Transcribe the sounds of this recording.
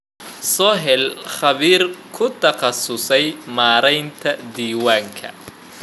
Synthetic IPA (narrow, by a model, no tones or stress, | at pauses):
sɔːɦɛlχɑβiːrkʰʊt̪ʰɐqɑsʊsɛjmaːɾɛjnt̪ʰɐd̪iːwaːŋkʰɐ̰